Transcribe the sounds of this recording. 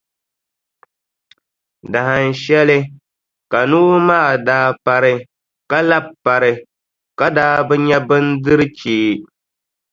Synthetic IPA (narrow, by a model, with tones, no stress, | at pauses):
da˨ɦa˨n̩˨ʃɛ˦lɨ˦ | ka˨nuː˦maː˦˨daː˦pa˦ɾɨ˦ | ka˦la˦bpːa˨ɾɨ˨ | ka˦daː˦bɨ˦ɲɛ˦bɨ˦n˦dɨ˦ɾɨ˦t͡ʃeː˦